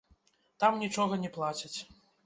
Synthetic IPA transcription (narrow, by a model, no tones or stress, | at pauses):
t̪amnʲit͡ʂɔɣɐnʲɛplˠat͡sʲit͡sʲ